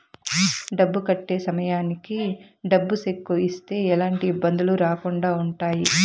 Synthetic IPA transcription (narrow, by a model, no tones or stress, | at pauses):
ɖɐbːukɐʈːe̞ːsɐmɐjaːnikiɖɐbːusekːuist̪e̞ːɛlaːɳʈiːbːɐnd̪uluɾaːkuɳɖaːuɳʈaːji